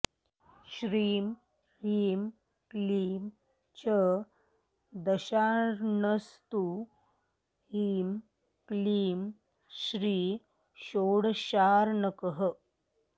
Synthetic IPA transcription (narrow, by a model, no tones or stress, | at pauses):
ɕɾiːm | hiːm | kliːm | t͡ɕə | d̪əɕaɾnəst̪u | hiːm | kliːm | ɕɾiː | ɕoːɽɕaːɾɳəkəɦə